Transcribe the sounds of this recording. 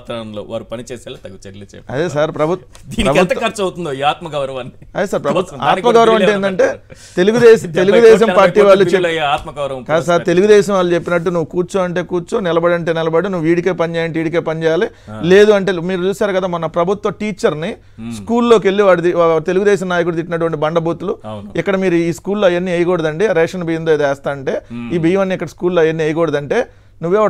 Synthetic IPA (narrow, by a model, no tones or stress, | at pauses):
t̪ɾanɐlo̰ːʋa̰ːɾupɐnit͡ʃɛːsaːlɐːt̪ɐɡt͡ʃeɾlet͡ʃɛ̰ːpɐ̰d̪eːsaːɾpɾɐbʱut̪ | d̪iːniɾɐbʱut̪t̪ɐkɐɾt͡ʃɐwt̪und̪oiaːt̪mɐɡɐwɾɐʋaːniɐd̪eːsaːɾpɾɐbʱut̪ːaːnmɐɡɐwɾɐmɐɳeːnd̪ɐɳʈe̞ː | t̪e̞luɡud̪ɛːst̪e̞luɡud̪ɛːʃɐmpaːɾʈːiːʋaːɭːut͡ʃelɐjaaːt̪mɐɡɐwɾɐʋɐkːsaɾt̪eluɡud̪ɛːʃɐmʋaːɭːut͡ʃe̞pːinɐʈːunuʋːukuːɾt͡ʃoːɐɳʈe̞ːkuːɾt͡ʃoːnɪlɐbɐɽɐɳʈeːnilɐbɐɽinuʋːiːɽike̞ːpɐnid͡ʒɛːjɐɳʈiːɽikeːpɐnt͡ʃɛːjaːlile̞ːd̪uɐɳʈe̞ːmiːɾut͡ʃuːsaːɾukɐd̪aːmɐnɐpɾɐbʱut̪ʋɐʈiːt͡ʃːɐɾni | skuːlːo̞ːk̬e̞lːiʋaːɭːut̪it̪e̞luɡud̪ɛːʃɐmnaːjɐk̬uɽut̪iʈːinɐʈuʋɐɳʈibɐɳɖɐbʱuːt̪uluikːɐɽɐmiːɾuiːskuːllojenːiɐjɐkɔːɽɐd̪ɐɳʈeːɾɛːʂɐnɐbijɐnd̪oːid̪ɛːst̪aːɐɳʈe̞ːiːbʱiːjɐʋɐnːiːkːɐɽɐskuːlːoːjenːiɐjɐkɔːɽɐd̪ɐɳʈe̞ː | nuʋːɛːʋɐ